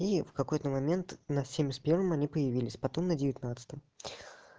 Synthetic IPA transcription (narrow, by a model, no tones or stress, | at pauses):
ifkɐko̞jt̪əmɐmʲe̞nt̪nɐsʲemʲɪsʲt̪ʲpʲe̞rvəmɐnʲipəjɪvʲilʲɪsʲpɐt̪o̞mnədʲɪvʲɪt̪nat̪sɨ̥t̪əm